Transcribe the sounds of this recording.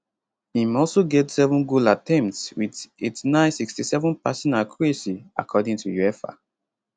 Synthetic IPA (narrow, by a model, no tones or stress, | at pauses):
ĩmɔlsoɡetsɛvə̃nɡulatʰɛ̃mp̚tswidetnãɪsikstisɛvə̃npasɔ̃nakʰɹesia̰kʰɔdĩŋtʰujuɛfa̰